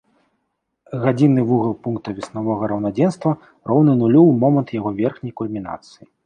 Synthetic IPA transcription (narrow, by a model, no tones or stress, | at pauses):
ɣad͡zʲinːɨvuɣɐlˠpunk̚t̪ɐvʲisnavɔɣɐɾɐwnad͡zʲɛnst̪vɐ | rɔwnɨnulʲuwmɔmɐnt̪jaɣɔvʲɛrxnʲɐjkulʲmʲina̰t̪sɨji